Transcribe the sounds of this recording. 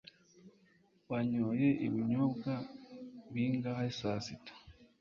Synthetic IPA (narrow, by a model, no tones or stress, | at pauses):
waɲoje̞ʔiβiɲobɡaβiːŋɡahaisasitḁ